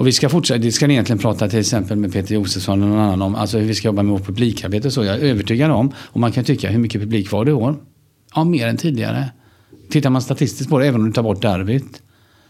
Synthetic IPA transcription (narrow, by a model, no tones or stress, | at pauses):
ʔɔvɪskafʊʈːʂɛd̪ɛskanɪjɛnlɪɡənpʰɾɑːt̪at̪ʰɪlɛksɛmpəlmɛd̪̚pʰeːt̪əɾjuːsəfsɔnːɛnɔnanːanɔma̰ls̬ɔhɵvɪskajɔbːamɛvoːʈ̚pʰɵbliːkʰaɾbeːt̪̬əɔsɔːjɑɡɛøːvəʈʰyːɡadɛɔmːɔmankʰanjɵt̪ʏkːa̰ɦɵɾmʏkːəpʰɵbliːkvaɖɛɪoːɾ | ɑmeːɾɛnt̪ʰiːd̪ɪɡa̰ɾə̰ | t̪ʰɪt̪ːaɾmanst̪at̪ʰɪst̪ɪsk̚pʰɔd̪ɛɛːvənɔmd̪ɛt̪ʰɑːɾbɔʈ̚ːd̪ɛaɾbeːt̪